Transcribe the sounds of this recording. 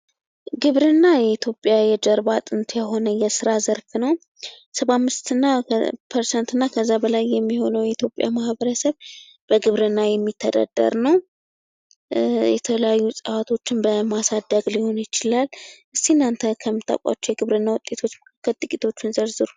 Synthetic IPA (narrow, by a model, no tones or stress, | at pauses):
ɡɨβɾɨnːajɛit̪ʰjo̞pʼjajɛd͡ʒ̪əɾbat̪ʼɨnt̪ʰjaɦo̞nəjɛsɨɾazəɾfnəw | səβamːɨst̪ɨnːapʰəɾsɛnt̪ɨnːakʰəzːabəlajːɛmːiho̞nəwjɛit̪ʰjo̞pʼːja̰mahβəɾəsəβ | b̥əɡɨβɾɨnːajɛmːit̪ʰːəd̪a̰d̪̥ə̰ɾnəw | jɛt̪ʰələjajːusʼəwat̪ʰo̞t͡ʃːɪnbəmasad̪ːəɡliho̞njɪt͡ʃɪlalʔɨst̪inːant̪ʰəkʰəmːɨt̪ʰʼːa̰kʷʼa̰t͡ʃːɛjɛɡɨβɾɨnːawʊt̪ʼːe̞t̪ʰo̞t͡ʃːməkʰakːəlt̪ʼɨkʼit̪ʰo̞t͡ʃːɪnzəɾzɨɾ